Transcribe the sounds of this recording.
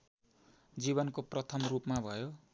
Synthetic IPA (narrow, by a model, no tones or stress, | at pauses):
d͡ziβʌnkoprʌt̪ʰʌmrupmabʱʌjo